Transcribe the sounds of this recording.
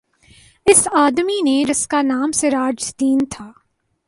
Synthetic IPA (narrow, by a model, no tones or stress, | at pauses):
ɪsaːd̪mineɾɪskanaːmseɾaːd͡ʒd̪iːnt̪ʰaː